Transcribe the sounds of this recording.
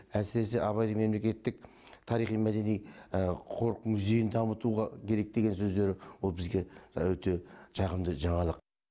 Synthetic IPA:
æsɪɾe̞s̬ɪʔɑβɑjd̪əɴŋme̞mle̞kʲe̞t̪ːɪk̚ | t̪ʰɑɾijχijmæd̪e̞nijqʰo̞ɾqmuze̞jɪnd̪ɑmət̪uʁɑkʲʰe̞ɾe̞k̚d̪e̞ɡʲe̞nsɵzd̪e̞ɾɪwo̞lˠbɪzɡʲe̞wɵt̪e̞ʃɑʁəmd̪əʒɑɴɑlˠəq

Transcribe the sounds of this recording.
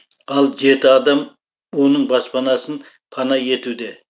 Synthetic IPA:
ɑlˠʒe̞t̪ɪɑd̪ɑm | wo̞nəɴbɑspɑnɑsən | pʰɑnɑje̞t̪ud̪e̞

